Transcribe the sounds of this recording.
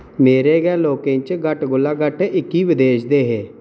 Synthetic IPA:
meːɾeːɡɛːloːkẽt͡ʃɡəʈɡʊlːaːɡəʈɪkːiːʋɪd̪eːʃd̪eːɦeː

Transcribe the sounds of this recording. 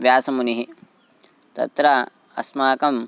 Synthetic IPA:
ʋjaːsɐmuniɦi | t̪ɐ̰t̪ɾa | ɐ̰smaːkɐm

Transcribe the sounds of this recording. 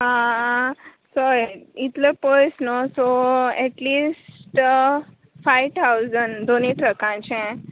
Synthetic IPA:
ɦã | sɔit̪ləpɔjsnosoɛʈlisʈ | fajʋt̪ʰawzənd̪oniʈɾəkãt͡ʃẽ

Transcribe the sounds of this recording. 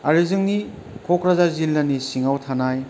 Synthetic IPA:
aɾizɯŋni | kʰokɾazazilːɐnisiŋawtʰanaj

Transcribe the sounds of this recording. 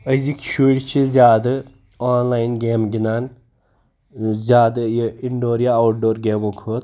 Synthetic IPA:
əzikʃuːlʲt͡ʃʰizʲjaːd̪ɐ | aːnlaːjnɡeːmɡʲinaːn | zʲjaːd̪ɐjiiɳɖoːɾjaawʈɖoːɾɡʲeːmokʰoːt̪

